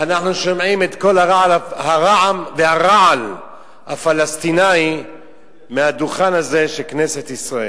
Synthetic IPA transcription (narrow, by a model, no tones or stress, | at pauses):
anaχnuʃomʕimet̪ko̞laʁaʕalahaʁaʕamvehaʁaʕal | hafalast̪inai | mehad̪uχanhaze̞ʃekneset̪isʁaʔel